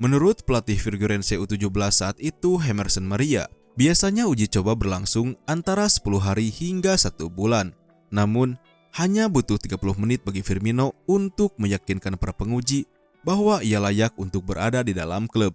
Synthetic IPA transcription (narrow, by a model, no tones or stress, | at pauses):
mənuɾʊt̪̚pəlat̪ɪhfirɡuɾɛnseut̪ud͡ʒuhbəlasːaːt̪it̪uɦɛmɛrsənmaɾia̰ | biasaɲaud͡ʒit͡ʃobabərlaŋsʊŋant̪aɾasə̥puluɦaɾihiŋɡasat̪ubulanː | amʊn | haɲabut̪ʊht̪iɡapulʊhmənɪt̪̚baɡifirminount̪ʊk̚məjakinkanpaɾapəŋud͡ʒi | baɦwaijalajak̚unt̪ʊk̚bəɾa̰dadidala̰mkləb̚